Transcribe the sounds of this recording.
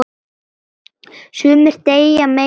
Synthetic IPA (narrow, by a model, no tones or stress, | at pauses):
sʏːmɪɾ̥t̪eːjame